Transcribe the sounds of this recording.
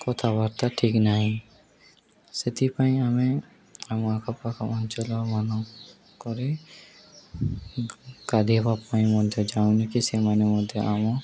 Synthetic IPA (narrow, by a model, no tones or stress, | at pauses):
kɔt̪ʰabaɾt̪aʈʰiknaɦĩ | set̪ipaĩame | amakʰapakʰamɔnt͡ʃɔlɔmanɔ | kɔɾe | kad̪ʱipapaĩmɔd̪ʱjɔd͡ʒaw̃nikisemanemɔd̪ʱjɔʔamɔ̃